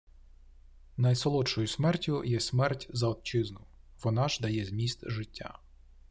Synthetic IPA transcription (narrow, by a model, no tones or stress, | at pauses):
nɐjsɔlˠɔt͡ʃɔjʊsmɛrtʲʊjɛsmɛrtʲzɐɔt̪̚t͡ʃɪznʊ | ʋɔnɑʒd̪ɐjɛzʲmʲist̪ʒɪtʲːa̰